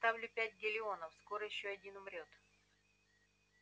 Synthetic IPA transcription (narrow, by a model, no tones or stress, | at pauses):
t̪avlʲʊpʲætʲɡʲɪlʲɪo̞nəfsko̞ɾəjɪɕːoɐdʲinʊmɾʲo̞t̪